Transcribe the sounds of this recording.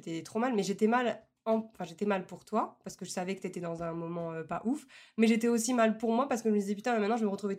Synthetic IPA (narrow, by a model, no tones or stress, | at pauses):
t̪ɛt̪χomalmɛʒet̪ɛmal | ɑ̃ɑ̃fɛ̃ʒet̪ɛmalpuʁt̪wapaʁsə̥kəʒəsavɛkə̥t̪yet̪ɛd̪ɑ̃zɛ̃mɔmɑ̃øpaʔufmɛʒet̪ɛosimalpuʁmwapaʁsə̥kəʒəməd̪izɛpyt̪ɛ̃mɛmɛ̃t̪nɑ̃ʒəməʁət̪χuvɛ